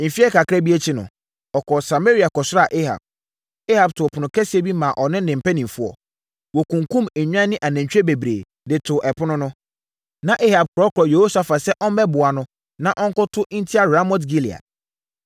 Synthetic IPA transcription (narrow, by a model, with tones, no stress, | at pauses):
m̩˨fi˦ɛ˦ka˨kʰɾa˦bi˦e˦t͡ɕʰɪ˦nʊ̰̃˨ | ɔ˨kʰɔ˨sa˨me˦ɾi˨a˨kɔ˨sʊ˦ɾa˨ʔe˦ha̰˨b̚ | e˦ha˨b̚tʰʊ˨pʰʊ˨nʊ̃˨kʰɛ˦si˦e˦bi˦mãː˨ʔɔ˨nɪ̃˦nɪ̃˨m̩˨pɛ˦nĩ˨m˨fʊ˦ɔ̰˨ | wo˨kũ˨ŋ˨kũ˦me˨ɲᶣ˦ã˦nɪ̃˦ʔa˨næ̃˨ɲ˨t͡ɕᶣe˦be˨bɾḛː˨ | dɪ˨tʰʊ˨ʔɛ˨pʰʊ˦nʊ̃˦nʊ̃˦ | nã˨ʔe˦ha˨b̚kʰʊ˨ɾɔ˦kʰʊ˨ɾɔ˨je˨ho˦sa˨fa˨sɛ˦ʔɔ˦m˦bɛ˦bʊ˨a˨nʊ̃˦ | nã˦ʔɔ˦ŋ˦kʊ˦tʰʊ˦n̩˦tʰi˦a˨ɾa˦mɔ˦t̬ɡi˦li˨a̰˨d̚